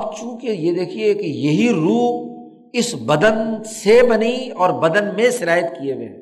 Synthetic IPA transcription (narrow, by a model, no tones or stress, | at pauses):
p̚t͡ʃũːkejed̪eːkʰiekejɐɦiɾuːɦ | ɪsbɐd̪ənsebɐniɔːɾbɐd̪ənmẽʃɪɾaːjət̪kijeʋḛ̃ː